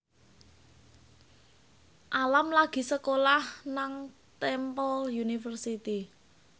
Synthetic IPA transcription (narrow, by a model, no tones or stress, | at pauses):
ʔalamlaɡ̥i̤səkolahnaŋ | t̪ɛmpɔljunifərsit̪i